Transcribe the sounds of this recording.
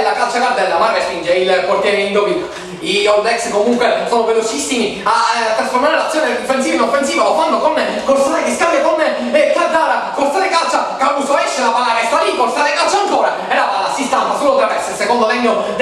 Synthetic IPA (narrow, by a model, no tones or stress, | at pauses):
lakat͡ʃːakaɾd̪aelːamarɡaspind͡ʒeilkort̪jɛɾoind̪opi | ioɾd̪ɛkskomuŋkwesoːnovelot͡ʃisːimiat̪ːɾasfoɾmaaɾelat̪sːjoːneofːens̬iːvinofːensiːvalofand̪okon | koɾsataekeskambjakonː | k̪ad̪aːɾakoɾt̪ːaɾekat͡ʃːakausoɛʃːelamaaːɾast̪aalikoɾt̪aːɾekat͡ʃːaŋkoːɾa | ɛɾavalasist̪ant̪asulod̪ɾavɛkssekond̪olɛɲːod̪